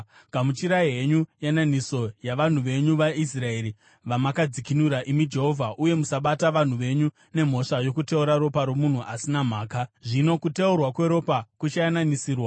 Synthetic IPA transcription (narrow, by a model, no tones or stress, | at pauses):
kamut͡ʃiɾaiɦeɲujananiso̞jaʋan̤uʋe̞ɲuʋais̬rae̞ɾi | ʋamakad͡zikinuɾaʔimid͡ʒe̞ɦo̞vʱaʔuje̞musaɓataʋan̤uʋe̞ɲu | ne̞m̤o̞ʂajo̞kute̞uɾaɾo̞paɾo̞mun̤uʔasinam̤aːkaʐino̞kuteurwakwe̞ɾo̞pakut͡ʃajananisiːrwa